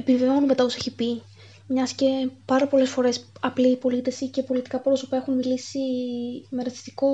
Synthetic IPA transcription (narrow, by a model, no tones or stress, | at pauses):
e̞piveo̞nunme̞t̪ɐose̞çipi | mɲɐsce̞pɐɾɐpo̞le̞sfo̞ɾe̞sɐpliːpo̞lit̪e̞sice̞po̞lit̪i̥kɐpɾo̞sopɐe̞xunmilisimeɾɐsi̥st̪i̥ko̞